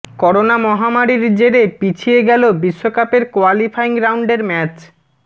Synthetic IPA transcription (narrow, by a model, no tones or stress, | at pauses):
kɔɾonamɔɦamaɾiɾd͡ʑeɾepit͡ɕʰieɡɛlobiʃːokapeɾkoalifaiŋɡɾawɳɖeɾmɛt͡ɕ